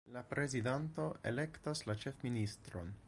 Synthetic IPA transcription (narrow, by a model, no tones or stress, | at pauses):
lapɾʔe̞zidanto̞e̞̰le̞ktaslat͡ʃe̞fministɾo̞̰n